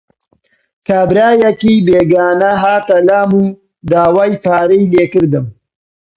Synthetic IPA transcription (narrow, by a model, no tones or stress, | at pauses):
kaːbɾaːjɐkiːbeːɡaːnɐɦaːt̪ɐlaːmuː | d̪aːwaːjpaːɾijleːkɨɾd̪ɨm